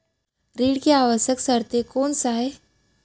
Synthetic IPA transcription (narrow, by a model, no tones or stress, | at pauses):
ɾiːɽkeaʋəɕəksəɾt̪ekoɳsaɦe